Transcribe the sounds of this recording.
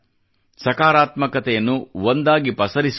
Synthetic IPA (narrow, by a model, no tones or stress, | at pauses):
sɐkaːɾaːt̪mɐkɐt̪ɛjɐnːuʋond̪aːɡipɐsɐɾis